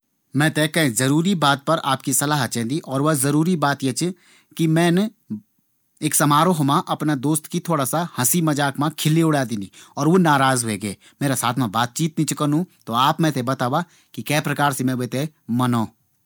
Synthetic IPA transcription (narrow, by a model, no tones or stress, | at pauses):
mɛ̃ːt̪ekɐ̃zɐɾuːɾibaːt̪̚pɐɾa̰ːp̚kisɐlaːɦət̪t͡ʃɛ̃ːnd̪iʔɔːɾʋɐzɐɾuːɾibaːt̪jet͡ʃ | kimɛ̃ːn | eːksɐmaːɾoɦʊmãʔɐpnad̪oːst̪kit̪ʰoːɽasahɐsimɐd͡ʒaːkmãkʰɪliʊɽaːd̪iniːɔːɾʋoːnaːɾaːzɦoeɡeː | meːɾasaːt̪ʰmãbaːt̪̚t͡ʃiːt̪nĩt͡ʃkəɾnũt̪oaːpmɛ̃ːt̪ebɐt̪aːʋa | kikɛːpɾɐkaːɾsemɛ̃ʋet̪e | mɐnoː